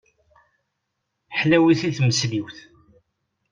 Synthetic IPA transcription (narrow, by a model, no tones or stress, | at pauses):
ħlæwiθiθməsliwθ